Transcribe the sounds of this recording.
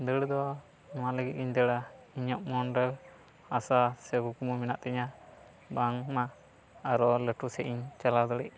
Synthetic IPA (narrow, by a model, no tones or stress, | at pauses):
d̪əɽd̪ɔ | maləɡit̪̚iɲd̪əɽaiɲɔp̚mɔnɖɛl | asasɛɡukumuminaʔt̪ɛɲa | baŋmaː | ɾɔləʈusɛʔiɲt͡ʃalad̪ɔɽɛʔ